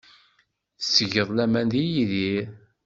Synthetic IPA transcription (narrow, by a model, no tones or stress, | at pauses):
θsːəʝəðˤlæmænd̪ijiði